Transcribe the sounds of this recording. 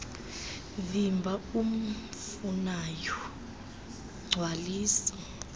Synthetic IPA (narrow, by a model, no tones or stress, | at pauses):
vimbʱaum̩funajɔ | ɡ͡ǀʱwaliːsḁ